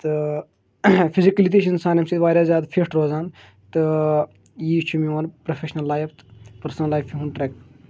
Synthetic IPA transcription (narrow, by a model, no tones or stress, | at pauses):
t̪ɨ | fʰizikɐlit̪eʃ̬insaːnemsiːt̪ʋaːɾʲjaːzʲjaːd̪fʰesʈɾoːzaːn | t̪ɨ | jiːt͡ʃʰumiɐnpɾofʰeʃnɐlːaːjft̪pɐɾsnɐlːaːjfiɦũnʈɾɛk